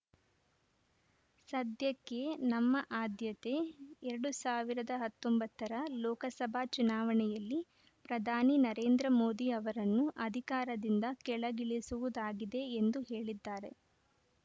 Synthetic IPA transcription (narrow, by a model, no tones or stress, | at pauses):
sɐd̪jɐkːe̞nɐmːɐʔaːd̪jɐt̪e̞ɛɾɐɽusaːʋiɾɐd̪ɐɦɐt̪ːombɐt̪ːɐɾɐlɔːkɐsɐbʱat͡ʃunaːʋɐɳɛjɐlːi | pɾɐd̪ʱaːninɐɾe̞ːnd̪ɾɐmo̞ːd̪iɐʋɐɾɐnːuʔɐd̪ʱikaːɾɐd̪ind̪ɐkɛɭɐɡiɭisuʋud̪aːɡid̪e̞ːnd̪uɦe̞ːɭid̪ːaːɾe̞̰